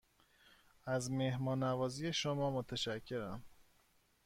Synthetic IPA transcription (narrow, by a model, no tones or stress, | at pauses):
æzme̞hmɒːnævɒːzijeʃomɒːmot̪ʰæʃæcʰːe̞ɾæm